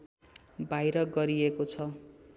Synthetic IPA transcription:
bajɾʌɡʌɾiekot͡sʰʌ

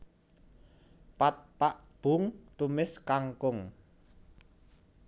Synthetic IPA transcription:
pat̪̚paʔb̥ʊ̤ŋt̪umɪskaŋkʊŋ

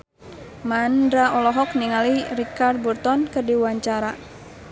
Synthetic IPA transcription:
mandɾaɔlɔɦɔkniŋalirikard̪̚burt̪ɔnkɨrdiwaɲt͡ʃaɾa

